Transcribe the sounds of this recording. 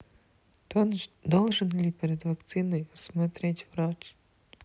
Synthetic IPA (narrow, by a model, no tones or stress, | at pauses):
d̪olˠʐɨnlʲipʲɪɾʲɪd̪vɐkt̪sɨnɨjɐsmɐt̪ɾʲetʲvɾot͡ʃ